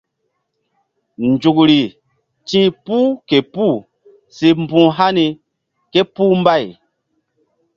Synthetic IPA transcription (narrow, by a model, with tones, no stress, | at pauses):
nd͡ʒu˨kɾi˨ | tĩ˦pu˦ke˨pu˦˨ | si˨m˦bũ˨ɦa˦ni˨ | ke˦pu˦m˦ba˦˨j